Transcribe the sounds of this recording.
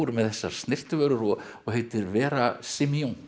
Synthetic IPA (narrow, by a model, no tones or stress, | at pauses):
ɾmɛðθɛsːaɾ̥st̪nɪr̥t̪ʏvœːɾʏɾɔ | ɔɣɦejt̪ɪɾvɛːɾasimioŋ